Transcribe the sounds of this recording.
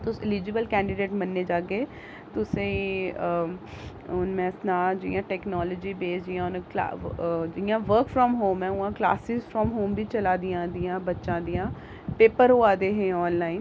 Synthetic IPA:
t̪ʊsɪliːd͡ʒɪbəlkɛ̃ːɳɖɪɖeːʈmənːeːd͡ʒaːɡeː | t̪ʊsẽi | ʊnmɛ̃ːsnaːd͡ʒɪjãːʈɛːknɔːləːd͡ʒiːbeːsd͡ʒɪjãːʊnka̰d͡ʒɪjãːʋəɾkfʰɾɔːmɦoːmɛ̃ːuːãːkla̰ːsɪzfʰɾɔːmɦoːmbiːt͡ʃəlaːd̪ɪjãːd̪ɪjãːbətːʃãːd̪ɪjãː | peːpəɾɦoːaːd̪eːɦẽːɔːnlaːiːn

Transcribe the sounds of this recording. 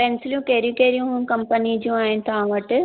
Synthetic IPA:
pensɪljũkeːɾijũkeːɾijũkɐmpənid͡ʑijũaːent̪ʰaːʋɐʈɨ

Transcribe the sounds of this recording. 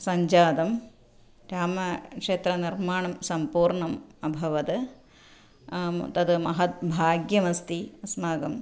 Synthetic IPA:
sɐɲd͡ʒaːd̪ɐm | ɾaːmɐkʂeːt̪ɾɐniɾmaːɳɐmsɐmpuːɾɳɐmɐbʱɐʋɐd̪ɐ | t̪ɐd̪mɐɦɐt̪̚bʱaːɡjɐmɐst̪iɐsmaːɡɐm

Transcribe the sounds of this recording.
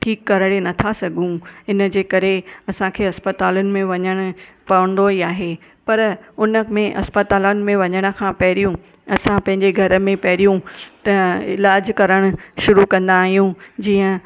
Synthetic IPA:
ʈʰiːkːɐɾəɽenɐt̪ʰasɐɡʱũɪnəd͡ʑeːkɐɾeɐsãkʰeːɐspɐt̪aːlʊnɪ̆mẽʋɐɲəɽ̃ʊ̆ | pɐʋəɽ̃n̆d̪oiaːɦe | pɐɾʊnə̆mẽʔɐ̰spɐt̪aːlanɪ̆mẽʋɐɲəɽ̃ʊ̆kʰãːpɐɦɪɾijũ | ɐsãpɐ̃ɦɪ̃ɲd͡ʑeɡʱɐɾə̆mẽpɐɦɪɾijũt̪ɐɪ̰laːd͡ʑkɐɾəɽ̃ʊ̆ʃʊɾukɐ̃nd̪aːɦijũd͡ʑiːə̃

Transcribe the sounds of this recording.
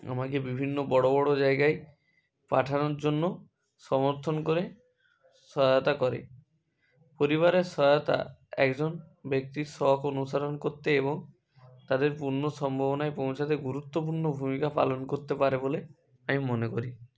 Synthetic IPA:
a̰makebibʱinːobɔɽobɔɽod͡ʒajɡaj | paʈʰanɔɾd͡ʒonːo | sɔmɔɾt̪ʰɔnkoɾe | sɔɔt̪akɔɾḛ | poɾiβaɾesɔɔt̪a̰ɛ̰kd͡ʒɔnbjek̚t̪isɔkonusaɾɔnkoɾt̪eeβɔŋ | t̪ad̪eɾpuɾnosɔmbʱaβɔnaepɔ̃wt͡ʃʰat̪eɡuɾut̪ːopuɾnobʱumikapa̰lɔnkoɾt̪epaɾebole | amimɔnekoɾi

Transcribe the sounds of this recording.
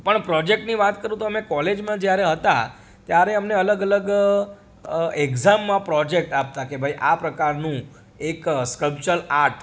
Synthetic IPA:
pəɳpɾɔd͡ʒek̚ʈniʋat̪kəɾũt̪oəmekɔled͡ʒmãd͡ʒjaɾeɦət̪a̰ | t̪jaɾeəmneələɡələɡ | ekzamːãpɾɔd͡ʒek̚ʈap̚t̪akebʱajʔapɾəkaɾnũ | ekskəlpt͡ʃəɾaɾʈʰ

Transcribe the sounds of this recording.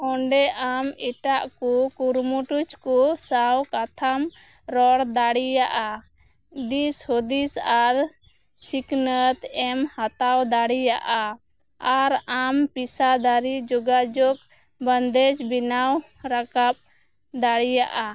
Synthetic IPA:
ɔɳɖɛʔamiʈaʔkɔkuɾmuʈut͡ʃkɔsawkat̪ʰam | ɾɔɽd̪aɽijaʔa | d̪ishod̪isaɾ | siknət̪ɛmhat̪awd̪aɽijaʔa | aɾampisad̪aɾid͡ʒɔɡad͡ʒɔk̚ | bənd̪ɛt͡ʃbinaw | ɾakap̚ | d̪aɽijaʔa

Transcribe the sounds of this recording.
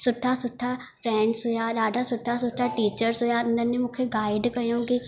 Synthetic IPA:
sʊʈʰːasʊʈʰːa | pʰɾɛ̃ːɳɖsɦoːjaːɾaːɖʱasʊʈʰːasʊʈʰːaʈiːt͡ʃəɾsɦoːjaːnɐnjəmʊkʰjeɡaːɪɖkɐõːɡe

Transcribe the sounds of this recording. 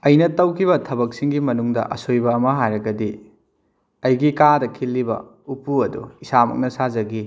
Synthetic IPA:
ɐjnɐtɐwkʰiβɐtʰɐbɐk̚siŋɡimɐnuŋdɐ̰ʔɐ̰sojbɐːmɐɦajɾɐɡɐdi | ɐjɡikadɐkʰilːibɐ̰ | upuɐdṵisamɐ̰k̚nɐsazɐɡi

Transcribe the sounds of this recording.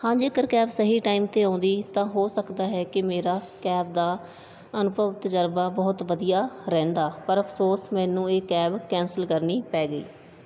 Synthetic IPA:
hãːd͡ʒeːkəɾkɛːbsəɦiːʈaːiːmt̪eːãːnd̪iːt̪ãːɦoːsəkd̪aːɦɛːkɪmeːɾaː | kɛːb̚d̪aː | ənʊpəʋt̪əd͡ʒəɾbaːbɔːt̪ʋəd̪ijaːɾɛ̃ːnd̪aːpəɾəpʰsoːsmɛ̃ːnũːeːkɛːbkɛ̃ːnsəlkəɾniːpɛːɡəḭː

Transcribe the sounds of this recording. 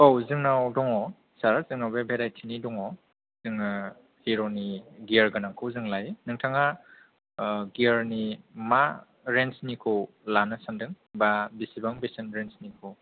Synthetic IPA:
ɔwzɯŋnawdɔŋɔ | saɾazɯŋnawbebʱeɾajtʰinidɔŋɔ | zɯŋ | hiɾoniɡiaɾɡanaŋkʰɯwzɯŋlajnɯŋtʰaŋa | ɡiɾnima | ɾensnikʰɯw | lanɯsandɯŋ | babisibaŋbisɯnɾensnikʰɯw

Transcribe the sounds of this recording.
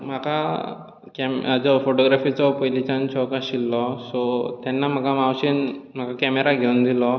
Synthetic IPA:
m̤aka | kɛmd͡zɔfoʈɔɡɾafit͡sɔpəjlit͡ɕant͡ɕɔkaɕilːɔsɔt̪janːam̤əɡamawɕenm̤akakɛmeɾaɡʱeund̪ilɔ

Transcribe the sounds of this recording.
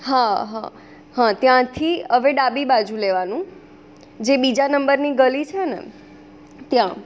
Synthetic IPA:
ɦaɦã | ɦãt̪jãt̪ʰiəʋeɖabibad͡ʒũleʋanũ | d͡ʒebid͡ʒanəmbəɾniɡəlit͡ʃʰeənḛ | t̪jã

